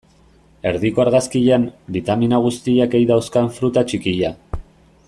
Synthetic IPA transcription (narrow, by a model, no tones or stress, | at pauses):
e̞ɾðikoaɾɣaskiʎanbit̪aminaɣ̞ust̪iake̞jðawskaɱfɾut̪at͡ʃikiʎa